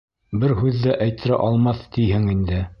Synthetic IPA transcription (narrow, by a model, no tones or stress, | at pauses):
bɘɾɦʉðːæʔæjt̪ɘ̆ɾæʔɑlˠmɑθt̪ijhɘŋind̪ɘ